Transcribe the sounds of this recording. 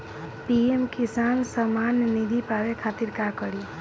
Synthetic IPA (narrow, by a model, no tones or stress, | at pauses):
piemkisansəmanːid̪ʱipaʋekʰat̪iɾkakəɽi